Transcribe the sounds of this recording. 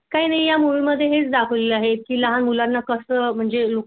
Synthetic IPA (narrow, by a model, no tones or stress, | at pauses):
kaɦiːnaɦijamuɭuməd̪ʱːjeɦet͡sd̪akʰəʋleləaɦet̪̚kiːləɦanmulanːakəsəm̤əɳd͡zelo